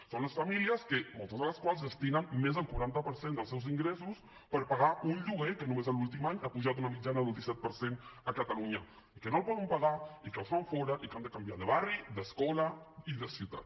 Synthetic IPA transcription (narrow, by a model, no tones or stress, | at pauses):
sonləsfəmiliəskəmɔlˠt̪əzðələskwalˠzðəst̪inənmezðəlˠkwaɾant̪əpəɾsend̪əlˠsɛwziŋɡɾesus | pəɾpaɣaʔunʎuɣekənumezəlulˠt̪imaɲapuʒat̪̬unəmid͡ʒanəðəlˠd̪isɛt̪̚pəɾsenəkət̪əluɲə | ikənolˠpɔðəmpaɣaikəlˠsfaɱfɔɾəʔikand̪əkambjaðəβarid̪əskɔləiðəsut̪a̰t̪